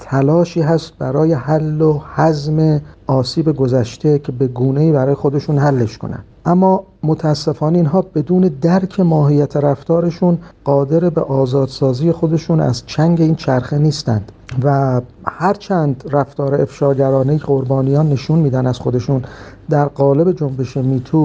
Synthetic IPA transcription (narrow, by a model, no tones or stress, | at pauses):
t̪ʰælɒːʃiːɦæst̪̚bæɾɒːje̞hælːohæzme̞ɒːsiːbe̞ɡozæʃt̪e̞cʰe̞be̞ɡuːne̞iːbæɾɒːje̞xo̞d̪e̞ʃuːnhælːe̞ʃko̞̰næ̰n | ʔæmːɒː | mot̪ʰæːsːe̞fɒːneiːnɦɒːbe̞d̪uːne̞d̪æɾcʰe̞mɒːɦiːjæt̪ʰeɾæft̪ɒːɾe̞ʃunɢ̥ɒːd̪e̞ɾebeʔɒːzɒːd̪̥sɒːziːjexo̞d̪e̞ʃuːnæ̰zt͡ʃʰæŋɟe̞iːnt͡ʃʰæɾxeniːst̪ænd̪̥væhæɾt͡ʃʰænd̪ræft̪ɒːɾeefʃɒːɟæɾɒːnejieʁo̞ɾbɒːnijɒːnːe̞ʃunmiːd̪ænæz̥xo̞d̪e̞ʃund̪æɾɢɒːle̞be̞d͡ʒo̞mbe̞ʃe̞miːt̪ʰuː